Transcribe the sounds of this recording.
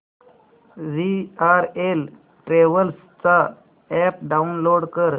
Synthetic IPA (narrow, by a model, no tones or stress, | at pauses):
ʋiaɾel | ʈɾeʋəls | t͡sa | ɛp̚ɖaunloɽkəɾ